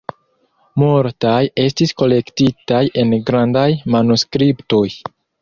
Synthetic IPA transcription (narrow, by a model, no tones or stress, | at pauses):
moɾtaje̞stisko̞le̞ktitaje̞nɡɾandajmanuskɾipto̞j